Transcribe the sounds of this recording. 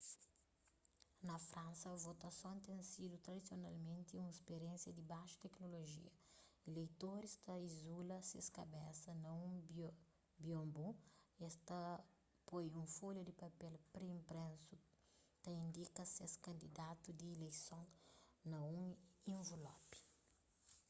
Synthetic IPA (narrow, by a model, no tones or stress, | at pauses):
nɐfɾɐ̃nsɐvot̪ɐsõnt̪ẽsid̪ut̪ɾɐd̪isjonalmẽnt̪iũespeɾẽnsjɐd̪ibaʃɐ̥t̪ɛknoloʒḭɐilejt̪oɾist̪ɐizulɐseskɐbɛsɐnɐũb | biõmbuest̪ɐ | pojũfoljud̪ipɐpɛlpɾeĩmpɾẽsu | t̪ɐĩnd̪ikɐseskɐ̃nd̪id̪at̪ud̪iːlejsõnnɐũĩɱvolɔpi̥